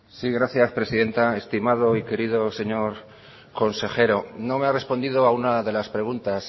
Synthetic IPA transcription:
siɣɾaθjaspɾe̞siðe̞nt̪ae̞st̪imað̞o̞ike̞ɾiðo̞se̞ɲo̞ɾ | ko̞nse̞xe̞ɾo̞no̞me̞are̞spo̞nd̪iðoaunaðe̞laspɾe̞ɣ̞unt̪as

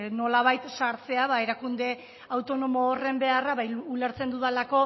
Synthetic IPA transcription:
no̞laβ̞ajt̪saɾt͡se̞aβae̞ɾakund̪e̞ | awt̪o̞no̞moːre̞mbe̞araβajuleɾt͡se̞nd̪uðalako̞

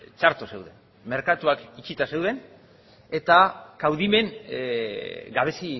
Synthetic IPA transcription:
t͡ʃaɾt̪ose̞wðe̞̰n | me̞ɾkat̪uakit͡ʃit̪ase̞wðe̞n | e̞t̪akawðime̞ŋ | ɡaβ̞e̞si

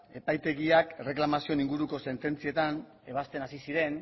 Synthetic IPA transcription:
e̞pajt̪e̞ɣiakre̞klamasio̞niŋɡuɾuko̞se̞nt̪e̞nt͡sie̞t̪an | e̞β̞ast̪e̞nasisiɾe̞n

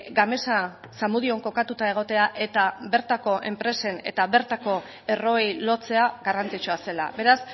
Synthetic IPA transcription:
ɡame̞sa | samuðio̞ŋko̞kat̪ut̪ae̞ɣ̞o̞t̪e̞aʔe̞t̪aβe̞ɾt̪ako̞ʔe̞̰mpɾe̞se̞ne̞̰t̪aβe̞ɾt̪ako̞ | e̞ro̞ejlo̞t͡se̞aɣarant͡sit͡ʃuase̞la̰βe̞ɾas

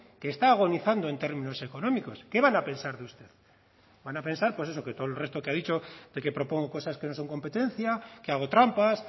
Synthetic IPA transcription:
keːst̪aːɣ̞o̞niθand̪oent̪eɾmĩno̞se̞ko̞nõ̞miko̞ske̞βanapẽ̞nsaɾðeust̪eð | banape̞nsaɾpwe̞se̞so̞ke̞t̪oolre̞st̪okeaðit͡ʃo̞ðeke̞pɾo̞po̞ŋɡoko̞saske̞no̞so̞ŋko̞mpe̞t̪ẽ̞n̟θjakeaɣ̞o̞t̪ɾampas

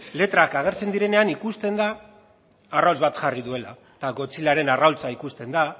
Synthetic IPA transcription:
le̞t̪ɾakaɣ̞e̞ɾt͡se̞nd̪iɾe̞ne̞anikust̪e̞nd̪aː | rawlzβat̪ʝariðue̞la | t̪aɣo̞t͡silaɾe̞narawlt͡saikust̪e̞nd̪a

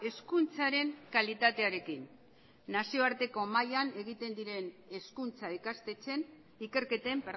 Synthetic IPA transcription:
e̞skunt͡saɾe̞ŋkalit̪at̪e̞aɾe̞kinː | asio̞aɾt̪e̞ko̞majane̞ɣit̪e̞nd̪iɾe̞ne̞skunt͡saikast̪e̞t͡se̞n | ike̞ɾke̞t̪empeɾ

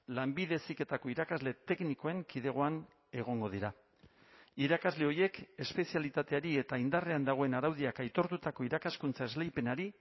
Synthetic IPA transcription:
lambið̞e̞sike̞t̪ako̞iɾakazle̞t̪e̞kniko̞e̞ŋkið̞e̞ɣ̞o̞an | e̞ɣ̞o̞ŋɡo̞ð̞iɾa | iɾakazle̞o̞je̞ke̞spe̞sialit̪at̪e̞aɾie̞t̪aind̪are̞and̪aɣ̞o̞e̞naɾawðiakajt̪o̞ɾt̪ut̪ako̞iɾakaskunt͡sae̞zlejpe̞naɾi

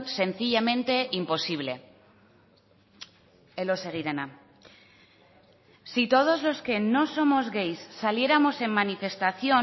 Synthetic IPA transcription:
se̞n̟θiʎamẽ̞nt̪e̞ʔimpo̞siβ̞le̞ | elo̞se̞ɣiɾena | sit̪o̞ð̞o̞zlo̞ske̞no̞so̞mo̞zɣe̞jsːalje̞ɾamo̞se̞mːanife̞st̪aθjo̞

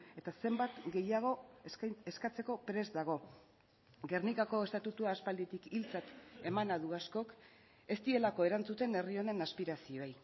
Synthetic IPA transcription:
e̞t̪ase̞mbat̪ɡe̞jaɣ̞o̞ | eskat͡se̞ko̞pɾe̞zd̪aɣ̞o̞ | ɡe̞rnikako̞e̞st̪at̪ut̪uaːspald̪it̪ikilt͡sat̪e̞manaðuasko̞k | e̞st̪ie̞lako̞e̞ɾant͡sut̪e̞ne̞rio̞ne̞naspiɾasioej

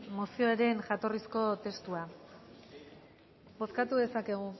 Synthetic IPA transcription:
mosio̞eɾe̞nʝat̪o̞risko̞t̪e̞st̪ua | bo̞skat̪uðe̞sake̞ɣ̞u

